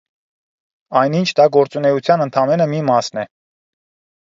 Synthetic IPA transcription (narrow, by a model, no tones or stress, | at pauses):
ɑjnint͡ʃʰd̪ɑɡɔɾt͡sunɛut͡sʰjɑnənt̪ʰɑmɛnəmimɑsnɛ